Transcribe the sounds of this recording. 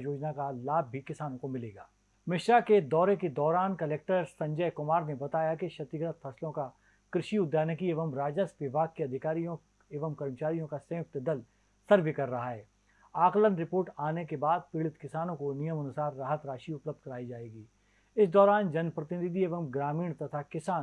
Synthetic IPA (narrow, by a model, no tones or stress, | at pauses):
joːd͡ʒnakalaːb̚ʱːikɪsaːnõkomɪleːɡaː | mɪʃɾaked̪ɔːɾeked̪ɔːɾaːnkɐleːk̚ʈəɾsɐ̃ɲd͡ʒəjkʊmaːɾnebɐt̪aːjakiʃɐt̪ɪɡɾət̪fʰɐslõka | kɾɪʃiʊd̪ʱːjaːnekieːʋəmɾaːd͡ʒəsʋɪbʱaːɡ̚keɐd̪ʱɪkaːɾijõ | eːʋəmkɐɾmət͡ʃaːɾijõkasɐ̃ːʊk̚t̪d̪ɐl | sɐɾʋekɐɾːɐɦaɦɛː | aːklənɾɪpoːɾʈaːnekebaːd̪̚pɪɭɪt̪kɪsaːnõkonijəmɐnʊsaːɾːaːɦət̪ɾaːʃiʊpləb̚d̪̚kɐɾaːid͡ʒaːeːɡiː | ɪsd̪ɔːɾaːnd͡ʒɐnpɾɐt̪ɪnɪd̪ieːʋəmɡɾaːmiːɽ̃t̪ɐt̪ʰakɪsaːn